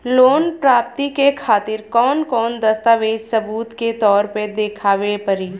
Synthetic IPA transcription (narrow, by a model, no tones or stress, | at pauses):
loːnpɾaːp̚t̪ikekʰaːt̪ɪɾkɔːnkɔːnd̪əst̪aːʋeːd͡ʒsɐbuːt̪ket̪ɔːɾped̪eːkʰaːʋepəɾiː